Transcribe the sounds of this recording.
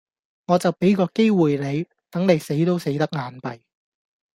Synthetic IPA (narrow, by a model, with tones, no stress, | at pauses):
ŋɔː˨˧t͡sɐ˨wpe˨˥jkɔː˧ke˥jwuː˨jle˨˧j | t̪ɐ˨˥ŋne˨˧jse˨˥jt̪o˥wse˨˥jt̪ɐ˥k̚ŋaː˨˧npɐ˨j